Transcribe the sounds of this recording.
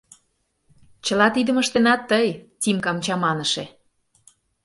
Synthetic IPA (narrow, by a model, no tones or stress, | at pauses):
t͡ɕəlɑt̪id̪ə̆məʃt̪enɑt̪ːəjtʲimkɑmt͡ɕɑmɑnə̆ʃĕ